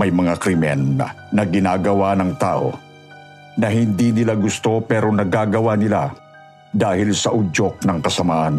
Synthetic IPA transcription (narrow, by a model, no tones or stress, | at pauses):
mɐjmɐŋakɾɪmɛ̰nːɐ̰ː | ɐɡɪnaːɡɐwanɐŋt̪aːʔo̞̰ | nɐɦɪnd̪inɪlaɡʊst̪o̞pɛːɾonɐɡaːɡɐwanɪla̰ | d̪aːhɪlsɐʔud͡ʒok̚nɐŋkɐsɐmaːʔɐn